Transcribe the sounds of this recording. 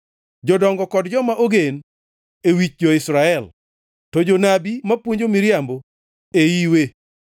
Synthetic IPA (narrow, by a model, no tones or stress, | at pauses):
d͡ʒɔdɔŋɡɔkɔdd͡ʒɔmaʔoɡen | ewit͡ʃd͡ʒɔɪsɾaɛl | tɔd͡ʒonabimapwoɲd͡ʒomiɾjambo | ejiwe